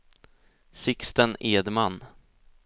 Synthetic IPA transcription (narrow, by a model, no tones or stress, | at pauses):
sɪkst̪əneːd̪manː